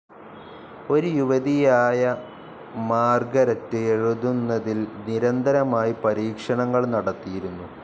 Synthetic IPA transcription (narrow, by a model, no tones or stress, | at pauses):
o̞ɾujuʋɐðijaːjɐ | maːrɡɐɾɐtːɨeɻuðunːɐðilniɾɐnd̪ʱɐɾɐmaːjipɐɾiːkʂɐɳɐŋːɐɭnɐɽɐt̪ːijiɾunːu